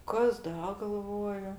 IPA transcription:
ˈkɐs ˈdɐ ɡɐlˠˈʋoːjʊ

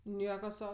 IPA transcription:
ˈnʲiɛkɐ ˈsɐʊ

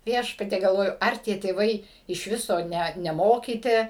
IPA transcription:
ˈʋʲiɛʃpɐtʲiɛ ɡɐlˠˈʋoːjʊ ˈɐr tʲiɛ tʲeːˈʋɐɪ ɪʃ ˈʋʲɪsoː ˈnʲæt nʲɛˈmoːkʲiːtʲɪ

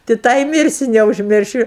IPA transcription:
tʲɪ ˈtɑː ɪ ˈmʲɪrʲsʲʊ nʲɛʊʒʲˈmʲɪrʲʃʲʊ

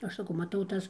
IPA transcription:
ˈɐʃ sɐˈkɐʊ mɐˈtɐʊ ˈtɐs

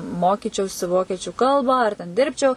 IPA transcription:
ˈmoːkʲiːt͡ʃʲɛʊsʲɪ ˈʋoːkʲiɛt͡ʃʲʊ ˈkɐlˠbɑː ɐr tʲɛn ˈdʲɪrʲpʲt͡ʃʲɛʊ

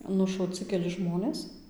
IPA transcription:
nʊʃɐʊˈt͡sʲɪ kʲɛˈlʲɪ ˈʒmoːnʲeːs

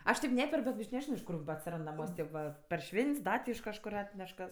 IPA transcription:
ˈɐʃ tʲɛɪp ˈnʲæːpʲɛrk bʲɛt ɐʃ nʲɛˈʒʲɪnoː ɪʃ ˈkʊr bɐ ɐtʲsʲɪˈrɐnt nɐˈmuɔsʲ ˈtʲeːp ʋɐ pɐr ˈʃʲʋʲɛnʲtʲsʲ ˈdɐ tʲɪ ɪʃ kɐʃˈkʊr ˈɑːtʲnʲɛʃ kɐs

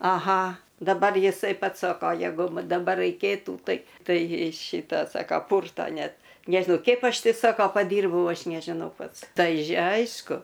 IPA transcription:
ɐˈɣɐ dɐˈbɐr jɪˈsɐɪ ˈpɐts ˈsoːkoː jɛˈɡʊ ˈmɐ dɐˈbɐr rɐɪˈkʲeːtuː ˈtɐɪ ˈtɐɪ ˈʃʲiːtɐ ˈsɑːkɐ ˈpʊrtoː ˈnʲɛt ˈnʲæːʒʲɪnɐʊ ˈkʲɛɪp ˈɐʃ ˈtʲɪ ˈsoːkoː pɐˈdʲiːrbɐʊ ˈɐʃ nʲɛʒʲɪˈnɐʊ ˈpɐts ˈtɐɪ ˈɐɪʃkʊ

